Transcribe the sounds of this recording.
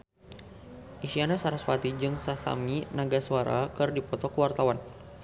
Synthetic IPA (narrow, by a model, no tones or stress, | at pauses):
ʔisianasaɾasfat̪id͡ʒɨŋsasa̰minaɡasuaɾa̰kɨrdipɔt̪ɔkəwart̪awan